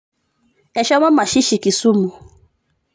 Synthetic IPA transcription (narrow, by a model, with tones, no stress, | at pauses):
e˨ʃɛ˦ŋʷɔ˦ma˨ʃi˦ʃi˨ki˨su˦mu˨